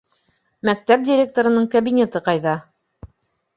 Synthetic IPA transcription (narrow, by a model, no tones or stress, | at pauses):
mæk̚t̪æp̚dʲɪɾʲe̞k̚t̪oɾɤ̆nɤɴkɐbinʲet̪ɤqɑjðɑ